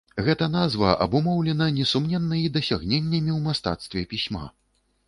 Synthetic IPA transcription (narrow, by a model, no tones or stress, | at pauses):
ɣɛt̪ɐnazvɐʔɐ̰bumɔwlʲɛnɐnʲɛsumnʲɛnːɐjid̪ɐsʲaɣnʲenʲːɐmʲiwmast̪a̰t̪st̪vʲɛpʲisʲma̰